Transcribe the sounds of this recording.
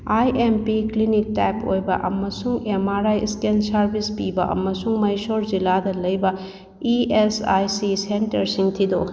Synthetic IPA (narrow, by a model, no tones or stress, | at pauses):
ajʔempiklinik̚tajpojbɐ̰ʔɐ̰mːɐsuŋemaɾajskensɐɾbʱispibɐʔɐ̰mːɐsuŋmɐjsoɾziladɐlɐjbɐ | iesa̰jsisentɐɾsiŋtʰid̪o